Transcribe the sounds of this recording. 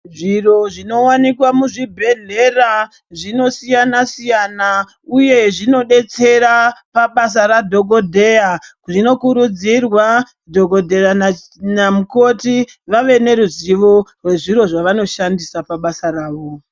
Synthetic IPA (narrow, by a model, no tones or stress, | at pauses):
ʐiro̞ʐino̞wanikwamuʐibʱe̞n̤era | ʐino̞sijanasijana | uje̞ʐino̞ɗe̞t͡se̞rapaɓas̬aɾadʱo̞ɡʱo̞dʱe̞ja | ʐino̞kuɾud͡zirwa | dʱo̞ɡo̞dʱe̞a | namuko̞ti | ʋaʋe̞ne̞ɾuziʋo̞rwe̞ʐiro̞ʐaʋano̞ʃandisapaɓasaraːʋo̞